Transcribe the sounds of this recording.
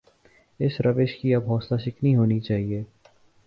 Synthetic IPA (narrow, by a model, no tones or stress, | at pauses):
ɪsɾɐʋɪʃkiɐbɦɔːslaʃɪkniɦoːnit͡ʃaːɦieː